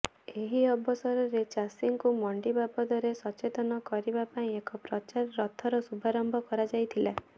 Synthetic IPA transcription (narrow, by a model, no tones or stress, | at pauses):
eɦiɔbʱɔsɔɾɔɾet͡ʃasiŋkumɔɳɖibabɔd̪ɔɾesɔt͡ʃet̪ɔnɔkɔɾibapaĩekɔpɾɔt͡ʃaɾːɔt̪ʰːɔɾɔsubʱaɾɔmbʱɔkɔɾad͡ʒajt̪ʰila